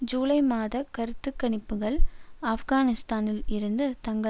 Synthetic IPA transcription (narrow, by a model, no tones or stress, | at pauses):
d͡ʒuːlɐɪmaːðɐkɐɾɯt̪ːɯkːɐɳɪpːɯɣɐɭɐfɣaːnɪst̪aːnɪlɪɾɯnd̪ɯt̪ɐŋɡɐ